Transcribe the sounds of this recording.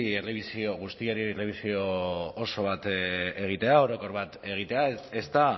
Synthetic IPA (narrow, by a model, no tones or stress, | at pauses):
eleβisio̞ɣ̞ust̪iaɾiele̞β̞isio̞ːso̞β̞at̪e̞ɣ̞it̪e̞ao̞ɾo̞ko̞ɾβat̪e̞ɣ̞it̪e̞ae̞st̪a